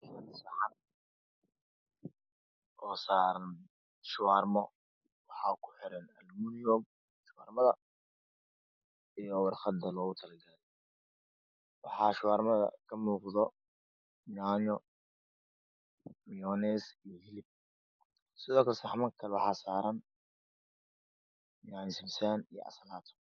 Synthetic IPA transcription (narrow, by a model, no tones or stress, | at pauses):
ɐsɑħɑ | ɔːsaːɾɐn | ʃʊwaːrmɔ | wɑħɑːkʰʊ̥ħɪɾɛnɐlmunjɔːɡ̚ | ʃʊwaːrmɐðɐ | ijɔwɑrχɐd̪ɐlɔːɣʊt̪ʰɐlɐɡɐlɛ | wɑħɑːʃʊwaːrmɐðɐ̰kʰɐmuːqðɔ | naːnɔ | mijɔnɛːsijɔhɪlɪb̚ | sɪðɔːkʰɐsɑħmɐkʰɐlɛwɑħɑːsaːɾɐn | nansɪmsanijɔ̰ʔɐ̰sɐlaːt̪ʰɔ̥